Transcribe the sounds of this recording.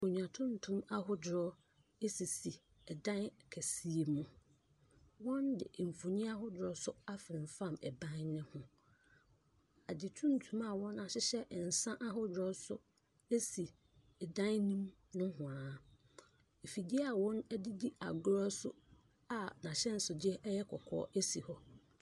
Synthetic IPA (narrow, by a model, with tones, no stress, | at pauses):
o˨ɲ˨ã˨tʰʊ̃˦n˨tʰũ˦ma˦ɦʊ˦dʊ˨ɾɔ˦ | e˦si˨si˨ | ɛ˨dã˦n˨kʰɛ˨si˦e˨mũ˦ | wɔ̃˦ndɪ̰˨m̩˨fo˨ɲɪ̃˦a˦ɦʊ˦dɾɔ˦sʊ˦a˦fɪ˨ɾɪ̃˨fã˦˨mɛ̰˨bã˦nnɪ̃˦hʊ̃˦ | a˨dɪ˨tʰũ˦n̩˦tʰũ˦ma˨wɔ̃˦nːã˨ɕɪ˦ɕɛ˦ʔn̩˨sã˦ʔa˦ɦɔ˦dɔ˦sʊ̰˦ | e˦si˨ | ɛ˨dã˦nnĩ˦m | nʊ̃˦hʊ̃˨ã˨ | e˨fi˨di˦a˨wɔ̃˦nɛ˦dɪ˦di˦a̰˨ɡʊ˦ɾɔ˦sʊ˦ | a˨nã˨ɕɛ˦n̩˨sʊ˨d͡ʑɪ˦ɛ˦ʔɛ˦jɛ˦kʰɔ˨kʰɔ̰ː˦ʔe˦si˨hɔ˦